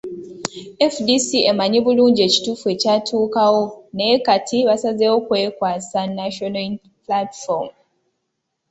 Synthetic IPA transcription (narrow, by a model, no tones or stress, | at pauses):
efdisiemaɲiβuluːɲɟie̞ci̥tufue̞catʰuːkawonekatʰiβasazewo̞kwe̞ːkwaːsanaʃona | platfoɾm